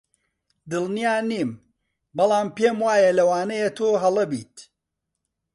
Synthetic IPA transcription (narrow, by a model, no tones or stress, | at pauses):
d̪ɨlˠnijaːniːm | bɐlˠaːmpeːmwaːjɐlɐwaːnɐjet̪ʰoːɦɐlˠɐbḭːt̪